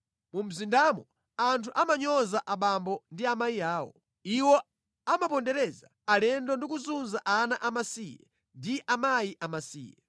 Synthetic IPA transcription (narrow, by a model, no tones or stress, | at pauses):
mum̩zindamɔ | antʰuʔamaɲɔzaʔaɓambɔndiamaiaːwɔ̰ | iwɔ | amapɔndɛɾɛzaːlɛndɔndik̬uzunzaʔanaʔamasijɛ̰ | ndiʔamajiʔamasḭːjɛ